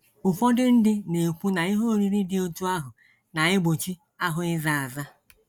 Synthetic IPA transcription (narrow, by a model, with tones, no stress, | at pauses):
ʊ˨fɔ˦dɪ˦n̩˦dɪ˦ne˨kʷu˦na˨ɪ˦ɦo˦ɾi˦ɾi˦dɪ˦o˦tu˦a˦ɦʊ˨ | na˨ɲɪ˦ɡ͡bo˨t͡ʃi˦ | a˦ɦʊ˨ɪ˦za˨a˨za˦